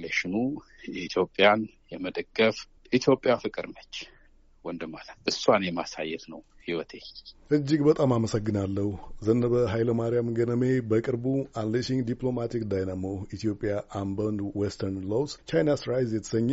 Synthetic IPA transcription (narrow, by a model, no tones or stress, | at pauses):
leʃɪnu | ɛit̪ʰjo̞pʼːjan | jɛməd̪əɡːəf | ʔit̪ʰjo̞pʼːjafɨkʼɨɾnət͡ʃː | wɔnd̪ɨmalət̪ʔɨsːanjɛma̰sa̰jːɛt̪nəw | hiwɔt̪ʰeʔɨd͡ʒːiɡbət̪ʼamaməsəɡːɨnalːəhuzənːəβəɦajləmaɾijamɡənəmebəkʼɨɾbuanləʃiŋd̪ipʼlo̞mat̪ʰikd̪ajnamoit̪ʰijopʼːjaʔambənd̪wɛst̪ʰəɾnlowst͡ʃajnasɾajzjɛt̪ʰə̥səɲː